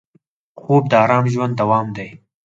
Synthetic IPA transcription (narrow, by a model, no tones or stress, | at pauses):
xoːb̚d̪əɑːɾɑːmʒwand̪ːawɑːmd̪aj